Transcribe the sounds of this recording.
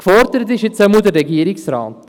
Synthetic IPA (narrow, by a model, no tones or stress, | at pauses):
kfɔɾdəɾət̬ɪʃɪt͡sɛmud̪ərːɛɡiəɾiksɾɑ̰ːt